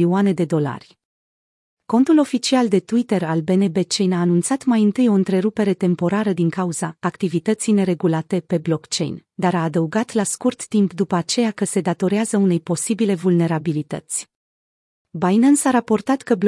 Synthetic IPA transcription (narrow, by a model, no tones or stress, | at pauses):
iuane̞d̪e̞d̪o̞la̰rʲ | ko̞nt̪ulo̞fit͡ʃiald̪e̞t̪uit̪e̞ɾalbe̞nebet͡ʃe̞jnaːnunt̪sat̪majɨnt̪ɨjo̞ɨnt̪ɾe̞ɾupe̞ɾe̞t̪e̞mpo̞ɾaɾəd̪iŋkauzaːkt̪ivit̪ət̪sijne̞ɾe̞ɡulat̪e̞pe̞blo̞kt͡ʃe̞̰jnd̪aɾaːd̪əuɡat̪laskurt̪ːimpd̪upəat͡ʃe̞jakəse̞d̪at̪o̞ɾeazəune̞jpo̞sibile̞vulne̞ɾabilit̪ə̰t̪sʲ | bajnənsaɾapo̞rt̪at̪kəb